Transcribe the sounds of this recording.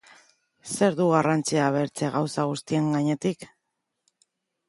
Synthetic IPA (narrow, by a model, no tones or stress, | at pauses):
se̞ɾðuɣ̞arant͡siaβ̞e̞ɾt͡se̞ɣawsaɣust̪ie̞ŋɡaɲe̞t̪ik